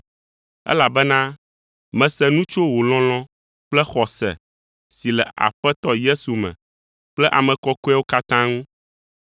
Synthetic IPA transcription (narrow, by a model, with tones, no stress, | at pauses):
ɛ̰˦la˨bɛ˦nã˦ | mɛ̃˨sɛ˦nũ˦t͡ʃo˦wo˨lɔ̃˦l̃ɔ̃˦ | plɛ˦xɔ˨sɛ̰˨ | si˨lɛ˨ʔa̰˨ɸɛ˦t̪ɔ˦je˦su˨mɛ̰̃˨ | k͡plɛ˦ʔa˨mɛ̃˨kɔ˦ku˦a˦wo˦ka˦t̪ã˦ŋũ˦